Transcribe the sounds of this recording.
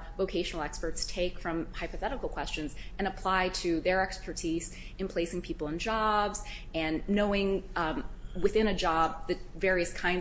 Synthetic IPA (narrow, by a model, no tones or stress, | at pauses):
voʊkʰeɪʃnl̩ˠɛkspə˞tstʰeɪkfɹʌ̃mhaɪpɨθɛɾəkl̩ˠkʰw̥ɛst͡ʃɨ̃nzɨ̃ñəpʰl̥aɪɾɨðə˞ɛkspʰə˞tʰiz | ɨ̃npʰl̥eɪsɪ̃ŋpʰipl̩ˠə̃nd͡ʒɑbz̥ | ɨ̃nːoʊɪ̃ŋ | wɨθɪ̃ñɨd͡ʒɑb̚ðɨvɛɹiɨskʰãɪ̃n